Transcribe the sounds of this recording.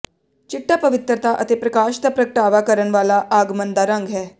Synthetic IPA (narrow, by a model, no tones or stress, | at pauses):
t͡ʃiʈːapəʋit̪ɾət̪ʰaʔət̪epɾɐkaʃt̪əpɾəkəʈaʋakəɾəɳʋalaʔaɡmənd̪aɾãŋɡʱɦɛ